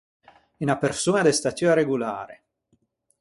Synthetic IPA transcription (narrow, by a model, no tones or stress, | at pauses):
inapersuːnad̪est̪at̪juaɾeɡula̰ːɾḛ